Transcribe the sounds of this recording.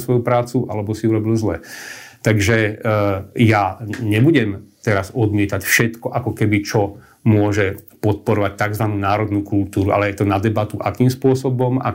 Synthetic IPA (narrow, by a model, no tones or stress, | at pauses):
sʋɔjupɾaːt͡suʔalɛbɔsiuɾɔbilzlɛ̰t̪aɡʒɛ | jaɲɛbuɟɛmt̪ɛɾazɔd̪mɪɛt̪acfʃɛt̪kɔʔakɔkɛbit͡ʃɔ | mʊɔʒɛpɔt̪̚pɔɾɔʋac̚t̪aɡzʋanuːnaːɾɔd̪nuːkult̪uːɾua̰lɛjɛt̪ɔnad̪ɛbat̪uʔakiːmspʊɔsɔbɔma̰